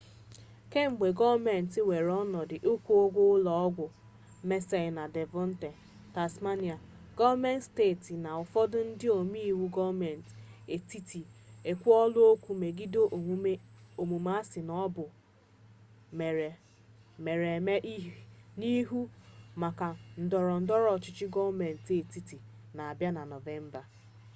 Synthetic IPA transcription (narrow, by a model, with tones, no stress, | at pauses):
ke˦ŋ͡m̩˨ɡ͡be˨ɡɔ˦me˨n̩˨tɪ˦we˨ɾɔ˦nɔ˨dɪ˨ʔʊ˦kʷu˦o˦ɡʷʊ˦lɔ˨ɔ˦ɡʷʊ˨ | me˦se˨na˨de˨vɔ˦n̩˦te˨ | ta˨sma˦ni˨a˨ | ɡ̥ɔ˦va˦me˦ntsteː˦˨ti˨na˨ʊ˨fɔ˦dʊ˦n̩˦dɪ˦o˨mi˦i˦˨wu˦ɡɔ˦vme˨n˨te˨ti˦ti˨e˨kʷu˦ɔ˦lʊ˦o˦kʷu˦me˨ɡi˦do˦˨˦o˨mu˨ma˦sɪ˨nɔ˦bʊ˨ | me˨e˨ | me˨ɾe˨me˦ʔi˦ni˦ɦu˦ma˨ka˨n̩˨dɔ˨ɾɔ˨n̩˨dɔ˦ɾɔ˨t͡ʃɪ˨t͡ʃɪ˦ɡɔ˦vme˨n̩˨te˨ti˦ti˨ | na˨a˨bja˦na˨nɔ˨ve˦m̩˦ba˨